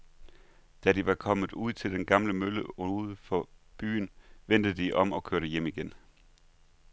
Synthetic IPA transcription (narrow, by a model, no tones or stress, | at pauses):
d̥æɾ̥iʋɑ̈kʰɒ̽mð̩ˠuð̞̰ˠt͡sʰe̝ld̥enɡ̥ɑ̈mləmøləoðˠfɒ̽b̥y̰ːn̩ʋen̰d̥əd̥iʔɒ̽mɒ̽kʰøɐɾ̥əjem̰iɡ̥en